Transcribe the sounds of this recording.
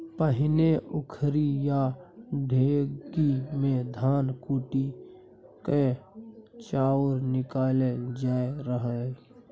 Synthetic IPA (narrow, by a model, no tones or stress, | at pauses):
pəɦɪneʊkʰɾijaɖʱeːɡimẽd̪ʱaːnkuːʈi | ke | t͡ʃaːɾnɪkaːled͡ʒaːeɾəɦə